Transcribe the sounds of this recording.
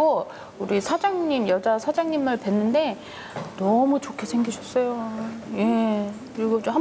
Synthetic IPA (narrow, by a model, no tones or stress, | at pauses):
o | uɾisʰad͡ʑaŋɲimjʌd͡ʑasʰad͡ʑaŋɲimɯɭpwe̞nːɯnde̞ | nʌmut͡ɕokʰesʰe̞ŋɡiɕʰʌs͈ʌjoje̞kɯɾiɡʌt͡ɕomha